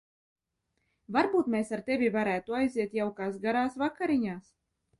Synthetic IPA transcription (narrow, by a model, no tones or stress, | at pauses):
vaɾbuːt̪mesaɾt̪evʲivaɾæːt̪uajziɛt̪jawkaːsɡaɾaːsvakːaɾiɲaːs